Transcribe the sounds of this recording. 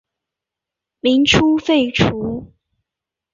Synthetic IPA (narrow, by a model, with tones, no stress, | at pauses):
mi˧˥ŋʈ͡ʂʰu˥fe˥˩ɪʈ͡ʂʰu˧˥